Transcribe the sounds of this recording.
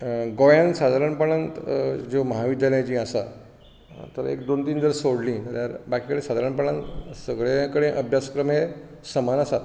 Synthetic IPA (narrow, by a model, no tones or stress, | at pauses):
ɡojãnsad̪ʱaɾəɳpəɭant̪d͡ʑeməɦaʋid̪ʱjaljãt͡ɕĩːəsa̰ | t̪əɾḛkd̪ont̪iːnd͡zəɾsoɽlĩːt̪əɾt̪jaɾbakikəɽẽsad̪ʱaɾəɳpəɭãnt̪səɡɭjakəɽẽʔəbʱjaskɾəmɦesəmanasa